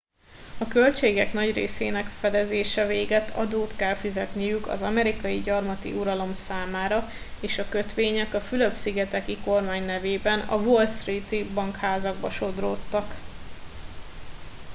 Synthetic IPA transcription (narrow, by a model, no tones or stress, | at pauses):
ɒkølt͡ʃeːɡɛknɒɟreːseːnɛkfɛd̪ɛzeːʃɛveːɡɛt̪ʰɒ̰d̪oːt̪kɛlfizɛt̪nijykɒ̰zɒmɛɾikɒjiɟɒrmɒt̪ḭuɾɒlo̞msaːmaːɾɒ | eːʃɒkø̞t̪ʋeːɲɛkɒfyløbsiɡɛt̪ɛkiko̞rmaːɲnɛveːbɛnɒ̰volst̪rit̪ibɒŋkhaːzɒɡbɒʃo̞d̪ro̰ːt̪ːɒk